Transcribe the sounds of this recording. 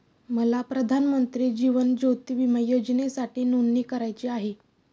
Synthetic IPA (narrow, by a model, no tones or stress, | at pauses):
məlapɾəd̪ʱanmənt̪ɾiːd͡ʑiʋənd͡ʑot̪iʋiməjod͡ʑnesaʈiːnunːiːkəɾajt͡ɕiaɦe